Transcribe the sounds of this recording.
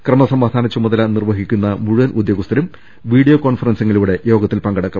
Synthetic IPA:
krɐmɐsɐmaːd̪ʱaːnɐt͡ɕːumɐðɐlɐnirʋɐɦikʲːunːɐmuɻuʋɐnʔud̪ʱjoːɡust̪ʰɐɾum | ʋiːɽijokoːɳfɐrɐnsiŋːɐluːɽe̞jo̞ːɡɐt̪ːilpɐŋɡɐɽɐkːɐm

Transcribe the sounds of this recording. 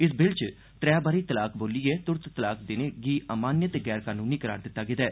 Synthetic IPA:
ɪsbɪlt͡ʃ | t̪ɾɛːbaːɾiːt̪əlaːkboːliːeːt̪ʊɾt̪t̪əlaːkd̪ɪneːɡiːʔaːmaːnjət̪ɡɛːɾkaːnũːniːkəɾa̰ːɾd̪ɪt̪ːaːɡɪt̪ɛː

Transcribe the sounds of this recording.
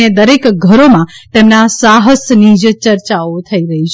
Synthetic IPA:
ed̪əɾekɡʱəɾomãt̪emnasaɦəsnid͡ʒt͡ʃəɾt͡ʃaot̪ʰəiɾəɦit͡ʃʰ

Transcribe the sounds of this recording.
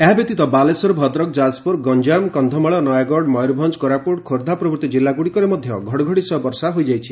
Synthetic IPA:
eɦabjɔk̚t̪it̪ɔbalesɔɾbʱɔd̪ɾɔk̚d͡ʒad͡ʒpuɾɡɔnd͡ʒamkɔnd̪ʱɔmaɭɔnɔjaɡɔɖmɔjɾbʱɔnd͡ʒkɔɾapuɽkʰoɾd̪ʱapɾɔbɾt̪id͡ʒilːaɡuɽikɔɾemɔd̪ʱjɔɡʱɔɽɔɡʱɔɽisɔbɔɾsaɦojd͡ʒajt͡ʃʰi

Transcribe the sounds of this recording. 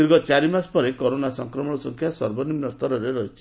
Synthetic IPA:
iɾɡɔt͡ʃaɾimaspɔɾekɔɾonasɔŋkɾɔmɔɽɔsɔŋkʰjasɔɾbɔnimnɔst̪ɔɾɔɾeɾɔɦit͡ʃʰi̥

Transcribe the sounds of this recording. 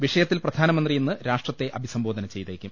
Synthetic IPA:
ʋiʂɐjɐt̪ːilprɐd̪ʱaːnɐmɐnd̪rijenːɨɾaːʂʈrɐt̪ːe̞ʔɐbʱisɐmbo̞ːd̪ɐnɐt͡ɕe̞jt̪eːkʲːum

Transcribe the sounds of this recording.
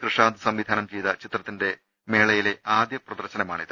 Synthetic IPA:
krɨʂaːnd̪ɨsɐmʋid̪ʱaːnɐmt͡ɕejt̪ɐt͡ɕit̪rɐt̪ːinde̞ | me̞ːɭɐjile̞aːd̪jɐprɐd̪ɐrɕɐnɐmaːɳiðɨ

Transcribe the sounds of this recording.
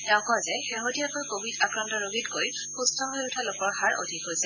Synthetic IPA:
tɛʊ̃kɔazɛxeɦotijakojkobʱidakɹantɔɹoɡʱitkoj | xustʰɔɦojʊtʰalokɔɹxaɹʔo̰dʱikɦojsɛ

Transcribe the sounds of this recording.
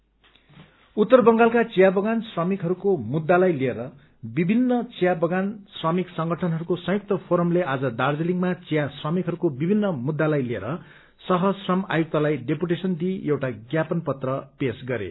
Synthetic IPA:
ut̪ːʌrbʌŋɡalkat͡sijabʌɡansrʌmikɦʌɾukomud̪ːalajlieɾʌ | bibʱinːʌt͡sijabʌɡansrʌmiksʌŋɡʱʌʈʰʌnɦʌɾukosʌ̃juk̚t̪ʌpʰoɾʌmlead͡zʌd̪ard͡zeliŋɡmat͡sijasrʌmikɦʌɾukobibʱinːʌmud̪ːalajliḛɾʌ | sʌɦʌsrʌma̰juk̚t̪ʌlajɖepuʈesʌnd̪iewʈaɡjapʌnpʌt̪rʌpesɡʌɾḛ

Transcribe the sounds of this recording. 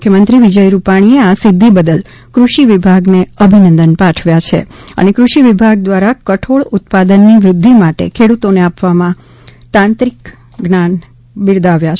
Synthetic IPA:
kʰjəmənt̪ɾiʋid͡ʒəjɾupaɽ̃ieasɪd̪ʱːibəd̪əl | kɾuʃiʋibʱaɡneəbʱinənd̪ənpãʈʰʋjat͡ʃʰḛə̰nekɾuʃiʋibʱaɡ̚d̪ʋaɾakəʈʰoɭut̪̚pad̪ənːiʋɾʊd̪ʱːimaʈḛkʰeɽut̪oneapʋamã | t̪ãnt̪ɾik | ɡnan | bɪɾd̪aʋja

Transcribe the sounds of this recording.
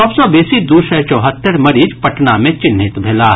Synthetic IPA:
ɔbsɔbeːsid̪uʃɛt͡ʃɔːɦət̪ːəɾmɐɾiːd͡ʒpɐʈnamẽt͡ʃɪnːɪt̪bʱeːlaː

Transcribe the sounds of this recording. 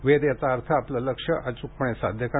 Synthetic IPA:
ʋed̪jat͡saːɾt̪ʰaːplələkʂəʔat͡ɕuk̚pəɳ̃esad̪ʱjəka

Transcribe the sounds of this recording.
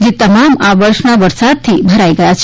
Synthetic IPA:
d͡ʒet̪əmamaʋəɾʃnaʋəɾsad̪̚t̪ʰibʱəɾaiɡəjat͡ʃʰ

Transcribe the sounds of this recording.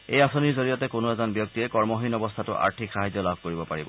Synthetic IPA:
ejasoniɹzoɹijɔtɛkʊnʊɛzɔnbjɔk̚tiɛkɔɹmɔɦinɔbɔstʰatʊʔa̰ɹtʰikxaɦazːɔlabʱkoɹibɔpaɹibɔ̰

